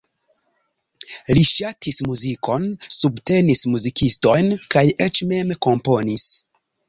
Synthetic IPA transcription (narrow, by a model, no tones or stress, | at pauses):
liʃatʰismuzikʰo̞nsubte̞nismuzikʰisto̞jnkajʔet͡ʃme̞mko̞mpo̞nis